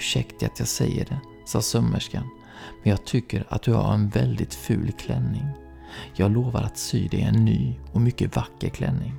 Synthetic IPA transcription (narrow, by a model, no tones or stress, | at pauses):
ʂɛkt̪ɪat̪jɑːɡsɛjːəɖɛ | sɑːsœmːəʂkan | mɛnjɑːɡ̚t̪ʰʏkːəɾat̪̚d̪ɵha̰ɾɛnvɛld̪ɪt̪fʉ̟ːlkʰlɛnːɪŋ | jɑːɡloːvaɾat̪syːd̪ɛɪɛnːyːɔmʏkːəvakːəɾkʰlɛnːɪŋ